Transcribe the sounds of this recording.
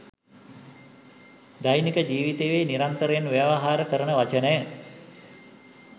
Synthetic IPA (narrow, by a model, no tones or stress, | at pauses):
d̪ajnikəd͡ʒiːʋit̪eːʋeːniɾant̪əɾəjenʋjaʋaɦaːɾəkəɾənəʋat͡ʃənəjə